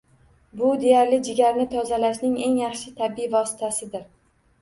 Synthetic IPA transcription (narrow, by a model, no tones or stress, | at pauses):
bʊd̪e̞jaɾlɪd͡ʒɪɡʲaɾnɪt̪ʰɒzalaʃnɪŋe̞ŋjɑχʃɪt̪ʰabɪjvɒsɪ̥t̪ʰasɪd̪ɪɾ